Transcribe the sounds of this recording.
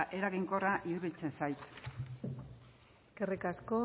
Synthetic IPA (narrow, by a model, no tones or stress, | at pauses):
ʔe̞ɾaɣiŋko̞raʔiðuβit͡se̞nsajt̪ | eske̞rikasko̞